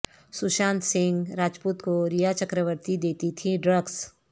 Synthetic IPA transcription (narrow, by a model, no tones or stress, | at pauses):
suʃãːnt̪sɪ̃ŋɡɾaːd͡ʒpuːt̪koɾijat͡ʃəkɾəʋəɾt̪id̪eːt̪it̪ʰiɖɾəɡs